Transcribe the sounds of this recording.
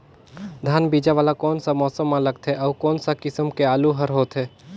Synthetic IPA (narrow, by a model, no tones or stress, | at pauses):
d̪ʱaːnbiːd͡ʒaʋaːlakɔːnsamɔːsəmːãləɡ̚t̪ʰɛʔɔːkɔːnsakɪsəmkeaːluɦəɾɦoːt̪ɦɛː